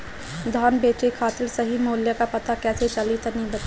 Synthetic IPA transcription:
d̪ʱɔːnbeːt͡ʃekʰaːt̪ɪlsɐɦimoːljəkapɐt̪akɛːset͡ʃɐlit̪ɐnĩbɐt̪

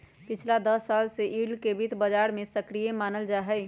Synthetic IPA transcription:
pɪt͡ʃʰlad̪əsːaːlseʔiɖkebʱit̪bəd͡ʒaɾmẽsəkɾijemaːnəld͡ʒaɦɛɪ

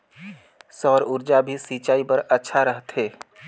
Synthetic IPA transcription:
sɔːɾʊɾd͡ʒabʱisiːt͡ʃaːipəɾətːʃʰaɾəɦt̪ɦeː

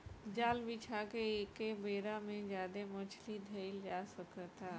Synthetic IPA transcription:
d͡ʒaːlbit͡ʃʰakeeːkebeːɾamẽd͡ʒaːd̪emʊt͡ʃʰlid̪ʱəɪld͡ʒaːsəkət̪aː

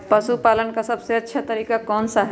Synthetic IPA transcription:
pəsupaːlənkasɐbseɐtːʃʰat̪əɾiːkakɔːnsaɦ

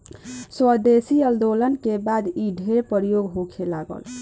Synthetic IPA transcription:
səd̪esiəld̪olənkebad̪iɖʱepəɾjoɡɦokʰelaɡə̰l

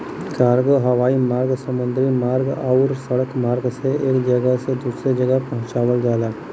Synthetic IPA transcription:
kaːɾɡoɦɐʋaːimaːɾɡsɐmɐnd̪ʱɾimaːɾɡawɾsɐɽəkmaːɾɡseʔekd͡ʒɐɡased̪usɾed͡ʒɐɡəpɐɦʊ̃t͡ʃaːʋəld̪aːlaː

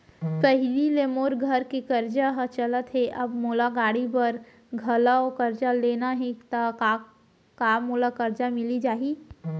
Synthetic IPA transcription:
pəɦɪlilemoːɾɡʱəɾkikɐɾd͡ʒaɦət͡ʃɐlət̪ɦɛʔɐbmoːlaɡaːɽipɐɾ | ɡʱɐlaokɐɾd͡ʒaleːnaɦẽt̪aa | kaːmoːlakɐɾd͡ʒamɪlid͡ʒaːɦi

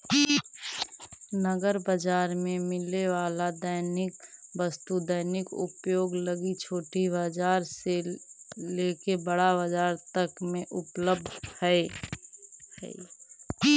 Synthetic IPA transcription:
nəɡəɾbəd͡ʒaːɾmẽmɪleʋaːlad̪əɪnɪkbəst̪ud̪ənɪkʊ̰pjoːɡləɡit͡ʃʰoːʈibəd͡ʒaːɾse | leːkebəɽabəd͡ʒaːɾt̪əkmẽʔʊpləb̚d̪ʱhɛe | hɛ̰

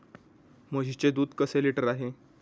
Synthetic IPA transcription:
məd͡ʑit͡ɕed̪uːd̪kəseliʈəɾaɦe

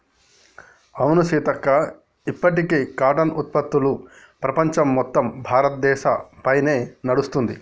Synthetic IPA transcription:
ɐwnusiːt̪ɐkːɐ | ipːɐʈikeːkaːʈɐnut̪̚pɐt̪ːulu | pɾɐpɐɲt͡ʃɐmːɔt̪ːɐmbʱaːɾɐt̪̚d̪ɛːʃɐpɐjne̞ːnɐɽust̪und̪i

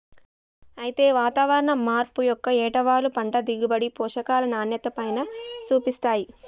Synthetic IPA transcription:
ɐjit̪e̞ːʋaːt̪aːʋɐɾɐɳɐmaːɾpujɔkːɐɛːʈɐʋaːlupɐɳʈɐd̪iɡibɐɽipɔːʂɐkaːlɐnaːnjɐt̪ɐpɐjnɐt͡ʃuːpist̪aːji

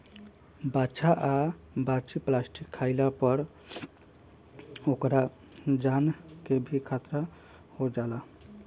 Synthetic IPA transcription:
bat͡ʃaʔa | bat͡ʃiplasʈikʰːaɪlapəɾ | okɾa | d͡ʒankebʱikʰat̪ɾa | hod͡ʒala

